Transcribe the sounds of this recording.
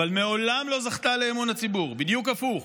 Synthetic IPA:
valmeo̞lamlo̞zaχt̪ale̞ːmonhat͡sibuʁbid̪jukafuχ

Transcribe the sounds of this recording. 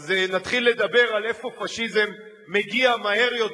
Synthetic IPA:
znat̪χilːe̞d̪abe̞ʁalefo̞faʃizemː | e̞ɡiamahe̞ʁjo̞t

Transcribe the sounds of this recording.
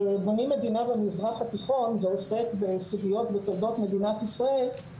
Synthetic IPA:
bonime̞d̪inabemizʁaχat̪iχo̞nveose̞kbesuvijo̞t̪bet̪odo̞t̪me̞d̪inat̪isʁae̞l

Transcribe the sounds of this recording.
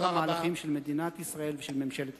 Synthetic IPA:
amaːlaχimʃelme̞d̪inat̪isʁae̞lveʃelmemʃelet̪

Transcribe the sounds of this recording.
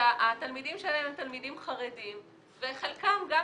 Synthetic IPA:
aʔat̪almidimʃelalememt̪almidimχaʁedim | veχelkamɡa

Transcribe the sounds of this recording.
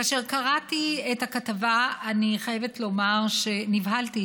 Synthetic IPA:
aːʃe̞ʁkaʁatiethakatavaaniχaje̞vetlo̞maʁʃe̞nivɦalti

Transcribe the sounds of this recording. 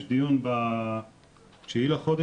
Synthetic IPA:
ʃd̪ijunba | ʃeilaχod̪e

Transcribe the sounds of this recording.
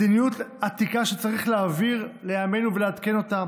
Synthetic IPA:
dinijut̪at̪ikaʃet͡saʁiχleaviʁle̞jame̞nuvelead̪ke̞no̞tam

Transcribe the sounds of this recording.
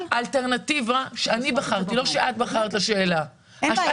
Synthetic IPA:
ʔalte̞ʁnativaʃeanibaχaʁt̪ilo̞ʃeʔat̪̚baχaʁt̪laʃe̞ːla | ha

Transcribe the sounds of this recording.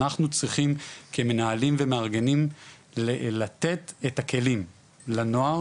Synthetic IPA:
aχnut͡sʁiχimkʰeme̞naalimvemeaʁɡe̞nim | llat̪e̞t̪etakʰe̞lim | lanoa

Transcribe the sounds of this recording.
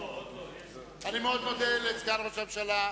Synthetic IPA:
animeod̪nod̪elet͡sɡaʁbasovʃala

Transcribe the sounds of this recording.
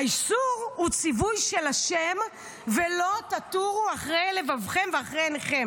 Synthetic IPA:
aisuʁhut͡sivujʃelaʃem | velo̞t̪at̪uʁuaχʁejle̞vavχe̞mveaχʁejneχem

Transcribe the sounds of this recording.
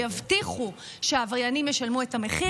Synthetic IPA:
javtiχu | ʃeavaʁjanimjeʃalmue̞tame̞χi

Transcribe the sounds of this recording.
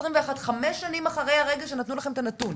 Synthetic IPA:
ʁimveaχat̪χameʃːanimaχaʁejhaʁeɡaʃenat̪nulaχe̞met̪anat̪un

